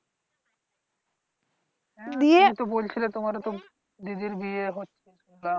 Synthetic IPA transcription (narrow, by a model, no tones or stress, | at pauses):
d̪iet̪obolt͡ɕʰilet̪omaɾet̪o | d̪id̪iɾbieɦotːɕʰeʃula